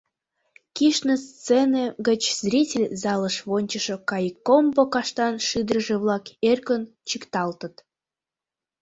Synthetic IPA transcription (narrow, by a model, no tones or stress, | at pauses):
kiʃnest͡seneɣət͡ɕz̥rʲitʲɪlʲzɑləʃβonʲt͡ɕəʃŏkɑjəkːombokɑʃt̪ɑnʃid̪ɾəʒĕβlˠɑkerkən | t͡ɕikt̪ɑlt̪ə̆t̪